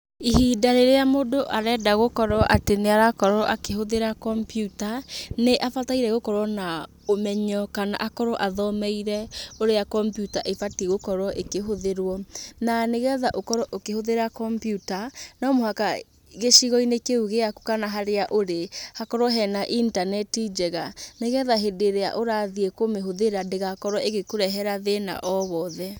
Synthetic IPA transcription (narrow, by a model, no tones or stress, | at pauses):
iɦidaɾeɾeamodoʔaɾɛdaɣokɔɾɔʔateneaɾakɔɾɔʔakeɦoðeɾakɔmpjutaneʔafataiɾɛɣokɔɾwɔna | omɛɲɔkana̰ʔakɔɾɔʔaðɔmɛiɾɛoɾejakɔmpjutaʔefatiɣokɔɾɔʔekeɦoðeɾwɔnaneɣɛðaʔokɔɾɔʔokehoðeɾakɔmpjutanɔmohaka | ɣeʃiɣɔinekeuɣeaku̥kanaɦaɾeaʔoɾehakɔɾɔɦɛnaʔintanɛtid͡ʒɛɣaneɣɛðaɦedeɾea̰ʔoɾaðiekomeɦoðeɾadeɣakɔɾɔeɣekoɾɛɦɛɾaðena̰ʔɔβɔːðɛ